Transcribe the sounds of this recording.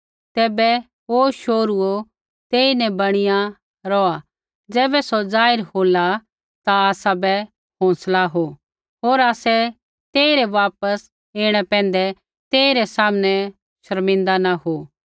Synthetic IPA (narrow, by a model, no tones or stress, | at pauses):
t̪ɛːbɛ | ɦoʃoːɾuo | t̪eːinɛbɐɽ̃ɪja | ɾɔːa | d͡zɛːbɛsɔd͡zaːɪɾhoːla | t̪aːsabɛ | ɦɔ̃ːslaɦo | ɦoːɾaːsɛ | t̪eːiɾɛʋaːpəs | eːɽ̃ɛpɛ̃ːnd̪ɛ | t̪eːiɾɛsaːməñɛ | ʃɐɾmɪ̃nd̪anaɦo